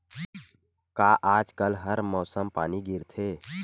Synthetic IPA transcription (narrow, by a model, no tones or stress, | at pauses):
kaːʔaːd͡ʒkəlɦəɾmɔːsəmpa̰ːniɡʱɪɾt̪ʰeː